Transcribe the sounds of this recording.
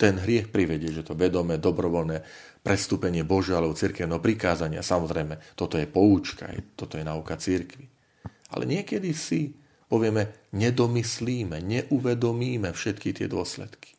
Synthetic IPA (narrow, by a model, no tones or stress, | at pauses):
t̪ɛnɦɾɪɛxpɾiʋɛɟɪɛʒɛt̪ɔʋɛd̪ɔmɛd̪ɔbɾɔʋɔlnɛː | pɾɛst̪uːpɛɲɪɛbɔʒɛalɛbɔt͡siɾkɛʊnɛɦɔpɾikaːzaɲɪa̰samɔzɾɛjmɛt̪ɔt̪ɔjɛpɔuːt͡ʃka̰a̰jt̪ɔt̪ɔjɛnaukat͡siɾkʋi | a̰lɛ̰ɲɪɛkɛd̪isi | pɔʋɪɛmɛɲɛd̪ɔmisliːmɛɲɛʔuʋɛd̪ɔmiːmɛfʃɛt̪kit̪ɪɛ̰d̪ʊɔslɛ̰t̪ki̥